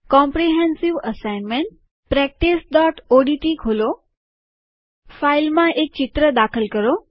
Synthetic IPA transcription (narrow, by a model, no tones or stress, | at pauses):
kɔ̃mpɾiɦɛ̃nsiʋəsaɪnmeɳʈ̚ | pɾɛk̚ʈisɖɔʈoɖiʈikʰolo | failmãʔek̚t͡ɕt͡ʃɪt̪ɾəd̪akʰəlkəɾo